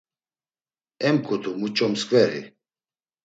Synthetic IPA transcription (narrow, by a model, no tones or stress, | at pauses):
ɛmkʰʼut̪ʰʼumut͡ʃʼɔmskʼvɛɾḭ